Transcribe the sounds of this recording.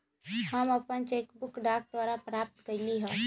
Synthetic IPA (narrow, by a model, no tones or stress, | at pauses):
həməpənt͡ʃeːkbʊkɖaːk̚d̪waːɾapɾaːp̚t̪kəɾliɦə̃ː